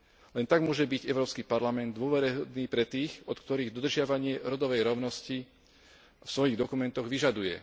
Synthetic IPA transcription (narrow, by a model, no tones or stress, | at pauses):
lɛnt̪aɡmʊɔʒɛbiɟɛʊɾɔːpskipaɾlamɛnd̪ːʊɔʋɛɾɛɦɔd̪niːpɾɛt̪iːxɔt̪kt̪ɔɾiːɣd̪ɔd̪r̩ʒɪaʋaɲɪɛɾɔd̪ɔʋɛjɾɔʊnɔsci | fsʋɔjiɣd̪ɔkumɛnt̪ɔɣʋiʒad̪ujɛ̰